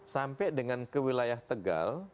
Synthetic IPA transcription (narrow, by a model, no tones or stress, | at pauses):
sampɛdəŋankəwilajaht̪əɡa̰l